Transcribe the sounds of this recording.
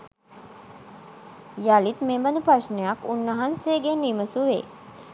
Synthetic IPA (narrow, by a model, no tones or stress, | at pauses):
jalit̪membənupɾaʃnejakunːəɦanseːɡeniməsuʋḛː